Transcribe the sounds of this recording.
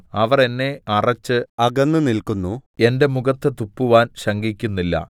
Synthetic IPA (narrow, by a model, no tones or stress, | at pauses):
ɐʋɐre̞nːe̞ɐrɐt͡ɕːɨɐɡɐnːɨnilkunːue̞nde̞muɣɐt̪ːɨt̪upːuʋaːnɕɐŋɡikʲːunːilːɐ̰